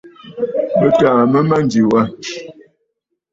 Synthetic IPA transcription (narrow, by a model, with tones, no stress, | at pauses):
mə˦ta˨mə˦ma˦n˨di˨wa˦